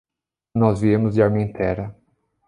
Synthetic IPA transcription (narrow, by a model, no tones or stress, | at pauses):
nɔzviẽmʊzd͡ʒɪaɾmẽt̪ɛɾɐ